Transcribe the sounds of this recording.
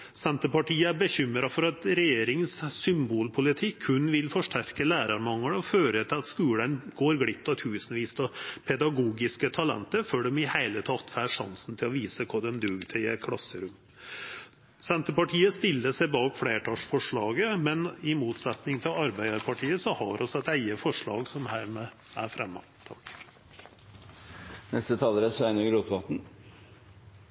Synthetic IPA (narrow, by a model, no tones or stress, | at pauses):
sɛnt̪əpɑʈiːəæɾbəçʏmɾɑfɔɾɑt̪ɾɛjeːɾɪŋssʏmbuːlpʰʊlɪt̪ʰɪkhʉnʋɪlfɔʂʈæɾkəlæːɾɑɾmɑŋːəɳɔføːɾət̪ʰɪlɑt̪skʉːlənɡoːɾɡɽɪp̚t̪ɑt̪ʰʉːsnʋiːst̪ʰɔpʰɛd̪ɑɡuːɡɪskət̪ʰɑlɛ̰nt̪əɾfœɖɛmɪhæɪlət̪ʰɑt̪fæːʂɑ̰nsn̩t̪ʰɪlɔʋiːsəkʰʊɖ̪ɛmd̪ʉɡt̪ʰɛæ̰kʰɽɑsːəɾʉm | sɛnt̪əpɑʈʰiːəst̪ɪlːəsæɪbɑːkfɽeːʈʰɑːʂfɔʂɭɑːɡəmɛnɪmuːt̪sɛt̪nɪŋt̪ʰɪlɑɾbæɪɑɾpʰɑʈʰiːəsɔhɑ̰ɾʔɔsɛt̪æɪəfɔʂɭɑ̰ːɡsɔmhæːɾmeː | æ̰ɾfɾɛmːɑ̰ | t̪ʰ | nɛst̪ət̪ʰɑːləɾəsæɪnəɡɾuk̪ʋɑt̪n̩